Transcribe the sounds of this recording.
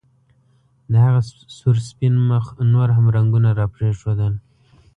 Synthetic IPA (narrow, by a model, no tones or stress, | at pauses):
d̪əhaɣa | suɾspinməxnoɾɦamɾaŋɡunaɾɑpɾeʂod̪ən